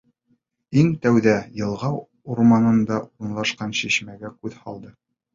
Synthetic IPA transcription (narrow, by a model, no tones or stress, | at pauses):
iŋt̪æwðæjɤ̆lˠʁɑ | uɾmɑnɤ̆nd̪ɑuɾɤ̆nlˠɑʃqɑnɕiɕmæɡækʉðhɑlˠd̪ɤ